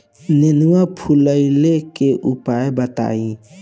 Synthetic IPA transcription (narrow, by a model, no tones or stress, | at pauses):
nenwapʰuləɪlekeʔupaːebət̪a̰ːĩ